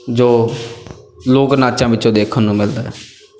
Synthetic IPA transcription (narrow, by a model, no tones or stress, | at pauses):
d͡ʒoː | loːknaːt͡ʃãːʋɪt͡ʃõːd̪eːkʰənːũːmɪld̪aːɦɛː